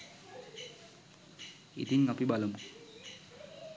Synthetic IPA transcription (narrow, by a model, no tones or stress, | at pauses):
ḭt̪iŋɡapibaləm